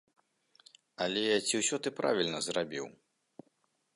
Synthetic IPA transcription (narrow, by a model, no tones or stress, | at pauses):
ɐlʲɛt͡sʲiwsʲɔt̪ɨpɾa̰vʲilʲnɐzrabʲḭw